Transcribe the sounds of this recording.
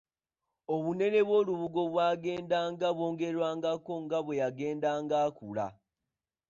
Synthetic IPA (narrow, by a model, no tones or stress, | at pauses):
oβune̞ne̞βwo̞ːluβuɡo̞βwaːɡe̞ːndaːŋɡaβwo̞ːŋɡe̞ɾwaːŋɡako̞ŋɡaβwe̞jaɡe̞ːndaːŋɡaːkula̰